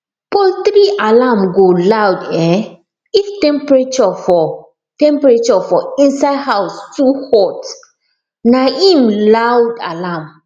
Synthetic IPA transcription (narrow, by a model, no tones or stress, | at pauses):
pɔlt̪ɾiʔalamɡolawdɛ̃ | iftɛ̃mpɹet͡ʃɔfɔ | tɛ̃mpɹet͡ʃɔfɔĩnsaɪdhaʊstuhɔt | naĩmlawda̰lam